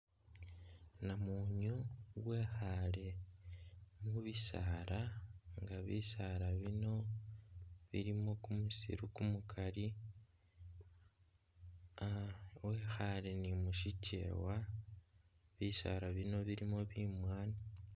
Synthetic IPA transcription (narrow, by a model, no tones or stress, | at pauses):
namuɲowwe̞xale̞ | muβisaɾaŋɡaβḭsaɾaβino̞ | βḭɾimo̞kumusḭɾukumukʰali | we̞xale̞nimuʃice̞̰wa | βisa̰ɾaβino̞βiɾimo̞βimwaːni